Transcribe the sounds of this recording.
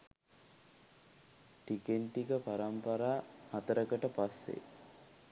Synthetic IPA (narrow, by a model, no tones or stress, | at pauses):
ʈikeɳʈikəpaɾampəɾaːhat̪əɾəkəʈəpasːḛ